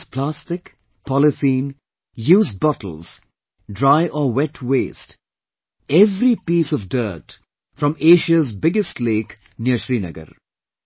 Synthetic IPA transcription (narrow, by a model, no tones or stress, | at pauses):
pʰlastɪk | pʰɔlɪθĩːn | juːz̚bʌʈəl̩ˠz̥ | ɖɾaɪʔɔwɛʈʰweːst | ɛvɾipiːsɔvdɜːt | fɾʌ̃meːʃəzbɪɡɪstleːk | njəʃɾiːnə̰ɡə̰ɾ